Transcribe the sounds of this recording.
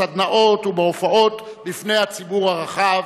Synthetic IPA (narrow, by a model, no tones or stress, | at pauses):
ad̪naʔo̞tubeofaʔo̞t | lifne̞jhat͡sibuʁhaʁaχav